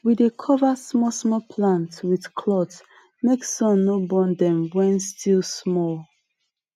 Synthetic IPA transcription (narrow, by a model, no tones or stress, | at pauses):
widekʰɔvasmɔsmɔpʰlãntwið̥kʰlɔt | meksɔ̃nːobɔ̃ndɛ̃mwɛ̃nstʰilˠsmɔl